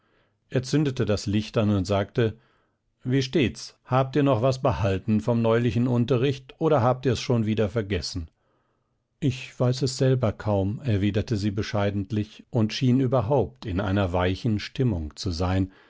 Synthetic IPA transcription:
ʔeːɐt͡sʏndətədaslɪçtanʊntz̥aːk̚tə | viːʃteːt͡shaːp̚tiːɐnɔχv̥asb̥əhaltn̩fɔmnɔʏlɪçn̩ʊntɐʁɪçtʔoːɾɐɦaːp̚tiːɐɛsʃoːnviːdɐfɛɐɡɛsn̩ | ʔɪçv̥aɪsɛsz̥ɛlbɐkʰaʊmɛɐviːdɐtəziːbəʃaɪdn̩tlɪçʔʊntʃiːnyːbɐɦaʊp̚tʰɪnʔa̰ɪnɐvaɪçn̩ʃtɪmʊŋt͡suzaɪn

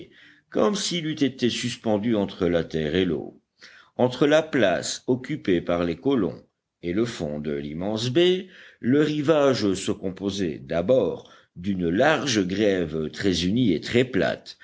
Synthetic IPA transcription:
kɔmsilyt̪et̪esyspɑ̃d̪yɑ̃t̪χəlat̪ɛʁelo̰ | ɑ̃t̪χəlapla̰sɔkʲypepaʁlekɔlɔ̰̃ | eləfɔ̰̃d̪əlimɑ̃s̬beləʁivaʒsəkɔ̃pozɛ̰d̪abɔːʁ | d̪ynlaʁʒɡʁɛvt̪χɛzyniet̪χɛpla̰t̪

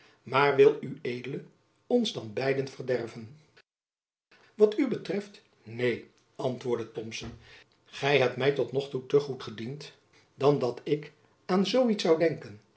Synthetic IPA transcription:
maːɹʋɪlˠyejdələ | ɔnzdɑnbɛjdənvərdɛrvən | ʋɑtybətrɛft | nej | ɑntʋʊːɹdətɔmsən | χɛjɦɛp̚tmɛjtɔtnɔχtutəχutχədint | d̥ɑndɑtɪk | aːnzowitsɑwdɛŋkən

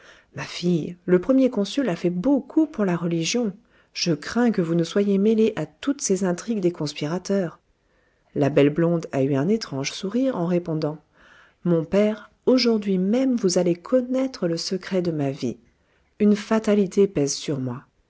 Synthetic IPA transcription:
mafijləpχəmjekɔ̃sylafɛbokʰupuʁlaʁəliʒjɔ̃ | ʒ̥əkχɛ̃kəvunəswajemeleʔat̪ut̪sezɛ̃t̪χiɡd̪ekɔ̃spiʁat̪œːʁ | labɛlblɔ̃d̪ayɛ̃net̪χɑ̃ʒsuʁiʁɑ̃ʁepɔ̃d̪ɑ̃ | mɔ̃pɛʁ | oʒuʁd̪ɥimɛmvuzalekʰɔnɛt̪χələsəkχɛd̪əmavḭ | ynfat̪alit̪ʰepɛzsyʁmwa

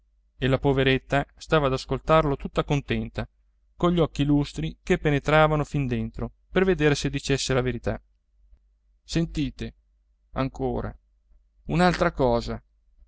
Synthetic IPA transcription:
elapoveɾet̪ːast̪aːvaːd̪askolt̪arlot̪ut̪ːakont̪ɛnt̪a | koʎːɔkːilust̪ɾikepːenet̪ɾaːvanofind̪ent̪ɾo | perved̪eːɾesed̪ːit͡ʃesːelaveɾit̪a | sent̪iːt̪e | a̰ŋkoːɾa̰ | unalt̪ɾakɔːza

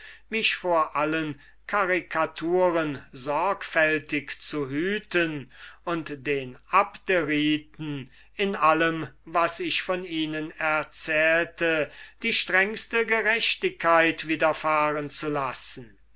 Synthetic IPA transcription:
mɪʃfoːɐʔalən | kʰaʁɪkʰatʰuːʁənzɔɐkfɛltɪkt͡suɦyːtənʊntd̥eːnʔapd̥eʁiːtn̩ | ɪnʔaləmvasɪʃfɔniːnənɛɐt͡sɛːltəd̥iːʃtʁ̥ɛŋstəɡəʁɛʃtɪkʰːaɪtv̥iːdɐfaːʁənt͡sulasn̩

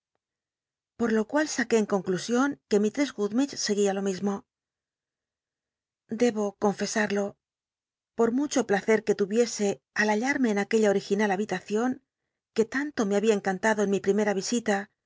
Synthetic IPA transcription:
po̞ɾlo̞kwalsake̞ːŋko̞ŋklusjo̞ŋke̞mit̪ɾezɣuðmit͡ʃse̞ɣialo̞mizmo̞ | d̪e̞βo̞ko̞ɱfe̞saɾlo̞ | po̞ɾmut͡ʃo̞plaθe̞ɾke̞t̪uβje̞se̞ | alaʎaɾme̞ːnake̞ʎaoɾixinalaβit̪aθjo̞ŋ | ke̞t̪ant̪o̞meaβiaeŋkant̪aðoenmipɾime̞ɾaβ̞isit̪a

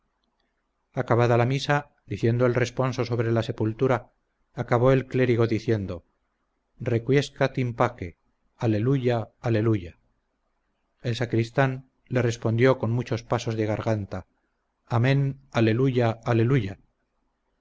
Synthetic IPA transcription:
akaβaðalamisa | d̪iθje̞nd̪oe̞lre̞spo̞nso̞so̞βɾe̞lase̞pult̪uɾaː | kaβ̞o̞e̞lkle̞ɾiɣ̞o̞ðiθje̞nd̪o̞ | re̞kwje̞skat̪impake̞ | ale̞luʝaale̞luʝa | e̞lsakɾist̪an | le̞re̞spo̞nd̪jo̞ko̞nmut͡ʃo̞spaso̞zðe̞ɣ̞aɾɣant̪a | amẽ̞nale̞luʝaːle̞luʝa

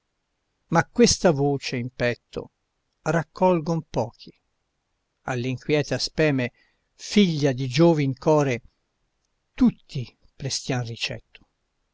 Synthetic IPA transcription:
makːwest̪avoːt͡ʃeimpɛt̪ːo̰ | rakʰːɔlɡompɔːki | a̰lːiŋkwjɛːt̪aspɛːme | fiʎːad̪id͡ʒoːviŋkʰɔːɾe | t̪ut̪ʰːi | pɾest̪janrit͡ʃɛ̰t̪ʰːʊ̥

